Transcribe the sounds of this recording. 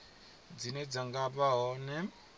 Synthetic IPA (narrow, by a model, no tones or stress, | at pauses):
d͡zinɛd͡zaŋɡapaɦɔnɛ